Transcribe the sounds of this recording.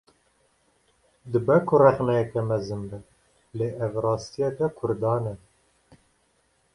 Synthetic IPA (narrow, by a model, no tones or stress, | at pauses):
d̪ɨbɛkʰʊrɛχnɛjɛkɛmɛzɨnbɨ | leːʔɛvrɑːst̪ijɛkɛkʰʊɾd̪ɑːnɛ